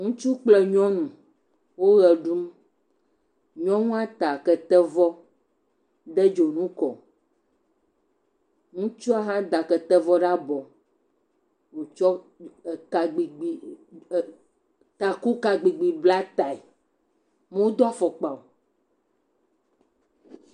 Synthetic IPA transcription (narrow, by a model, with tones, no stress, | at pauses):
ŋũ˦t͡ʃu˦k͡plɛ˦ɲɔ̃˦nũ˨ | wo˦ɣɛ˨ɖu˦m | ɲɔ̃˦ŋũ˦a˦t̪a˨kɛ˨t̪ɛ˦vɔ˦ | d̪ɛ˦d͡ʒo˨nũ˦kɔ˨ | ŋũ˦t͡ʃɔ˦a˦ɦã˦d̪a˨kɛ˨t̪ɛ˦vɔ˦ɖa˦bɔ˨ | wo˨t͡ʃɔ˦˨ | ka˨ɡ͡bi˨ɡ͡bi˨ | t̪a˨ku˦ka˨ɡ͡bi˨ɡ͡bi˨bla˦t̪a˨i˨ | me˦wo˦d̪ɔ˦a˦fɔ˨k͡pa˨o˨